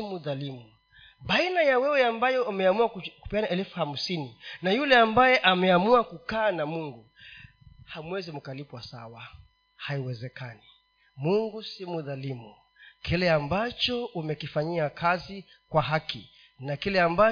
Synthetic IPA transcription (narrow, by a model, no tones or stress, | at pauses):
imuðalimu | ɓainajawɛwɛambajɔamɛamuaku̥pianaʔɛlfuham̩sininajulɛambajɛʔamɛamuakukaːnamuŋɡu | hamwɛzimukalipwasawa | haiwɛzɛkani | muŋɡusimuðalimu | kilɛambat͡ʃɔumɛkifaɲiakʰazi | kwaɦaki | nakilɛamba